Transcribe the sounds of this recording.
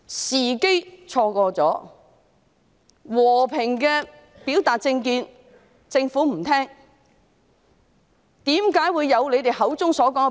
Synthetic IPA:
siː˨˩ke˥jt͡ʃʰɔː˧kɔː˧t͡sɔː˨˥ | wɔː˨˩pʰɪ˨˩ŋkɛː˧ | piː˨˥wt̪aː˨t̚t͡sɪ˧ŋkiː˧n | t͡sɪ˧ŋfuː˨˥m̩˨˩t̪ʰɛː˥ŋ | t̪iː˨˥mkaː˨˥jwuː˨˧jːɐ˨˧wle˨˧jt̪e˨jhɐ˨˥wt͡sʊ˥ŋsɔː˨˥k̬ɔː˨˥ŋɛ˨

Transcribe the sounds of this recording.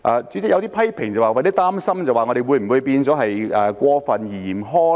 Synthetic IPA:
ʔaː˨˧t͡syː˨˥t͡sɪ˥k̚jɐ˨˧wt̪i˥pʰɐ˥jpʰɪ˨˩ŋt͡sɐ˨˩waː˨˩˨t̪i˥t̪aː˥msɐ˥mt͡sɐ˨˩waː˨ŋɔː˨˧ɾe˨jwu˨˧jm̩˨˩wu˨˧jpiː˧nt͡sɔː˨˥ɦɐ˨jɛː˨˧kʷɔː˧fɐ˨njiː˨˩jiː˨˩mɦɔː˥

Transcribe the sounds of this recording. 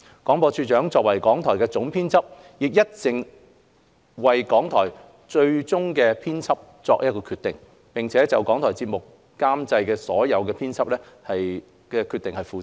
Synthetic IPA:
kɔː˨˥ŋpɔː˧t͡ʃʰyː˧t͡ʃœː˨˥ŋt͡sɔː˨k̚wɐ˨˩jkɔː˨˥ŋt̪ʰɔː˨˩jkɛː˧t͡sʊ˨˥ŋpʰiː˥nt͡sʰɐ˥p̚ | jɪ˨k̚jɐ˥t̚t͡sɪ˨ŋ | wɐ˨jkɔː˨˥ŋt̪ʰɔː˨˩j | t͡ʃɵ˧ɥt͡ʃʊ˥ŋkɛː˧pʰiː˥nt͡sʰɐ˥p̚t͡sɔː˧k̚ʔjɐ˥t̚kːɔː˧kʰyː˧t̪ɪ˨ŋ | pɪ˨ŋt͡sʰɛː˨˥t͡sɐ˨wkɔː˨˥ŋt̪ʰɔː˨˩jt͡siː˧t̚mʊ˨k̚ː | aː˥mt͡sɐ˧jkɛː˧sɔː˨˥jɐ˨˧wkɛː˧pʰiː˥nt͡sʰɐ˥p̚lɛː˥hɐ˨j | kɛ˧kʰyː˧t̪ɪ˨ŋhɐ˨jfuː˧

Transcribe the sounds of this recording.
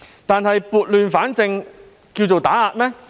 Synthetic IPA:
t̪aː˨nɦɐ˨jpuː˨˧t̚lyː˨nfaː˨˥nt͡sɪ˧ŋ | kiː˧wt͡so˨wt̪aː˨˥aː˧t̚mɛː˥

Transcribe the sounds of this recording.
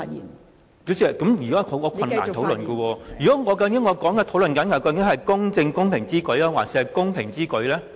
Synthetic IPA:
ki˨˥wsiː˧˨kɐ˨˥mjyː˨˩kɔ˨˦˥kʰo˨˥kɔː˧kʰɐ˧n˨aː˨˩˧t̪ʰwlɵ˨nkɔ˧wɔː˧jy˨kɔː˨˥ŋɔː˨˧kɐ˧kɪ˨˥ŋɔː˨˧kɔː˨˥ŋkɛː˧t̪ʰo˨˥wlɵ˨nkɐ˨˥nkɐ˨˩wkɐ˧wkɪ˨˥ŋhɐ˨jkʊ˥ŋt͡sɪ˧ŋkʊ˥ŋpʰɪ˨˩ŋt͡siː˥kɵ˨˥ɥaː˧˥waː˨˩t̚si˨˥ɐ˨jkʊ˥ŋpʰɪ˨˩ŋt͡siː˥kɵ˨˥ɥlɛː˦˥

